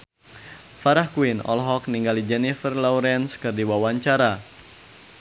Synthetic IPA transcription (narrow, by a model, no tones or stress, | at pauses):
faɾahkuinɔ̰lɦɔkniŋɡalid͡ʒɛnifərlɔwɾɛnskɨrdiwawaɲt͡ʃaɾa